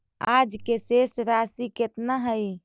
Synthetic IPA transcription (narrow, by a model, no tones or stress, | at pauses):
ad͡ʒkesesɾasiket̪naɦəj